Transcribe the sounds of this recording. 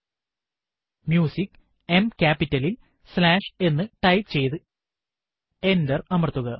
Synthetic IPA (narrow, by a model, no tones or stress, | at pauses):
mjuːsikː | e̞mkʲaːpːitːɐlil | slaːʂe̞nːɨʈɐjpt͡ɕe̞jt̪ɨ | e̞ndɐrɐmɐrt̪ːuɣɐ